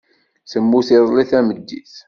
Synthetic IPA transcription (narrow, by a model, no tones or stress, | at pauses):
səmːuθiðˤliθæməd̪ːḭθ